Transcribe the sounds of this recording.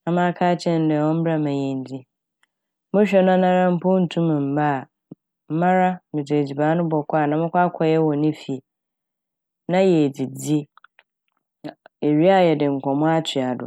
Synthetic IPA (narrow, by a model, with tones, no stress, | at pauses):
ã˨mã˦kʰaː˦t͡ɕʰɛ̃˦n˦dɛ˨hɔ̃˦m̩˦bɾa˦mã˨jɛ̃˨n˨d͡zi˦ | mʊ̃˦ɕᶣɛ˦nã˦nã˦ɾã˦m̩˦pʊ˦n̩˨tʰũ˦mã˨m̩˨ba˦˨ | m̩˦mã˦ɾa˦mɪ̃˨d͡ze˨d͡ʑi˨baː˨˦nʊ̃˦bɔ˨kʰʷa˦˨nã˨mʊ̃˦kʷa˦kʷʰɔ˦jɛ˦wɔ˨nɪ̃˦fi˨ | nã˦jɛ˨d͡zi˨d͡zi˦˨ | e˨ɥi˦a˦jɛ˨dɪ̃˨ŋ̩˨kʷʰɔ̃˨mʊ̃˦a˦t͡ɕʰɪ˨a˨dʊ̰˨